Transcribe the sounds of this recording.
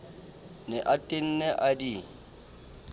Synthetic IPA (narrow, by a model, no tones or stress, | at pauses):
nɪʔatʼɪn̩nɛʔadi